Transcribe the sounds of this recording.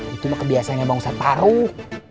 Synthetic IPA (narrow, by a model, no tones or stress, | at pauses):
it̪umakəbiasanaŋabaŋsap̪aɾuh